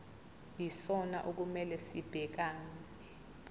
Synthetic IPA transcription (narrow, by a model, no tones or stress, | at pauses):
jisɔnaʔuk̬umɛlɛsib̥ʱɛk̬aːn | ɛ